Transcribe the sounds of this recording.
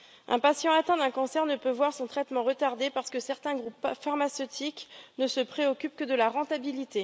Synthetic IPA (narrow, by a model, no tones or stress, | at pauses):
ʔɛ̰̃pasjɑ̃at̪ɛ̃d̪ɛ̃kɔ̃sɛʁnəpøvwaʁsɔ̃t̪χɛt̪mɑ̃ʁət̪aʁd̪epaʁsə̥kəsɛʁt̪ɛ̃ɡʁupfaʁmasøt̪ʰiknəsəpχeɔkʲyp̚kəd̪əlaʁɑ̃t̪abilit̪e